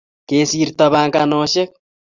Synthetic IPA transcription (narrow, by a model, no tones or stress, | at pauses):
kesiɾit̪aβaŋkanoʃek̚